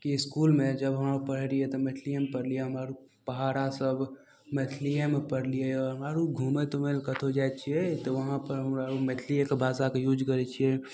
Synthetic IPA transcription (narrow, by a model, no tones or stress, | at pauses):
kiskulmẽd͡ʒəbɦəmaɾupəɽ̤ɾiet̪ɔmet̪ʰlijəmpəɽlieɦəmaɾu | pəɦaɾasəbʱ | met̪ʰlijemepəɽlieɔɾɦəmaɾuɡʱumet̪omelkət̪ʰod͡ʒajt͡ʃʰiet̪ɔʋəɦãpəɾɦəmɾaumet̪ʰliekebʱasakejud͡ʒkəɾɛt͡ʃʰie